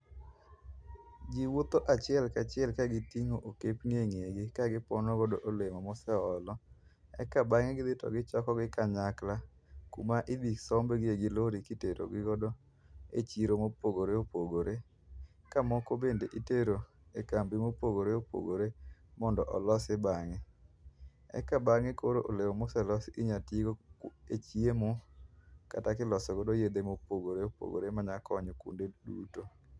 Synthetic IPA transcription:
d͡ʒiwot̪oʔat͡ʃɪɛlkat͡ʃɪɛlkaɡɪtiŋoʔokepŋeŋeɡɪkaɡɪpɔnoɡɔdoʔolemɔmɔsɛɔlɔ | ɛ̰kabaŋeɡɪd̪ɪtɔ̰ɡɪt͡ʃɔkɔɡɪkaɲakla | kṵmaʔid̪iksɔmbɡɪeɡɪloɾikiteɾo̰ɡɪɡɔdo | ḛt͡ʃiɾomopoɡoɾeopoɡoɾe | kamɔkobendeʔiteɾo | ekambimopoɡoɾeopo̰ɡoɾemɔndɔʔɔlɔsɪbaŋɪ | ɛ̰kabaŋɪkoɾoʔolewomosɛlɔsiɲatiɡoet͡ʃiemo | katakɪlɔsɔɡɔdojed̪emopoɡoɾeopo̰ɡo̰ɾemaɲakɔɲɔkṵndedṵto

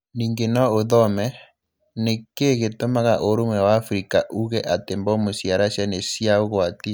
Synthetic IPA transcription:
niːŋɡenɔoðɔmɛ | nekeɣetomaɣaʔoɾomwɛwaːfɾikaʔuɣɛʔatembɔmosjaɾaʃjanesiaoɣwati

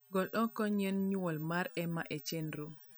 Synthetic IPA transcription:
ɡɔlʔɔkɔɲenɲwɔlmaɾɛmaʔet͡ʃendɾu

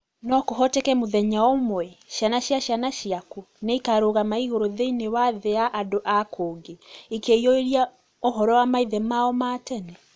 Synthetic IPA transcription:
nɔkoɦɔtekɛmoðɛɲaɔmwɛʃjanaɕjaɕjanaʃiakuneikaɾoːɣamaiɣoɾoðeinewaðeaʔadoʔakʰoːŋɡeikeioiɾia | oɦɔɾɔwamaiðɛmaɔmaːtɛnɛ

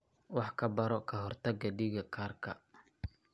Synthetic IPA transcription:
wɑħkʰɐbɐɾɔkʰɐɦɔrt̪ʰɐɡɐɖɪɣɐkʰaːrkʰɐ

